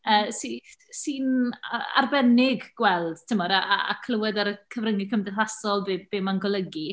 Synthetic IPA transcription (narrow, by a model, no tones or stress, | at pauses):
əːsisiːnaa̰rbɛnɪɡwɛlˠd̥tʰəmɔɾaʔaa̰kʰl̥ˠəwɛdaɾəkʰəvrəŋɪkʰəmdɛɦasɔlˠbeb̥eːmanɡɔlˠəɡi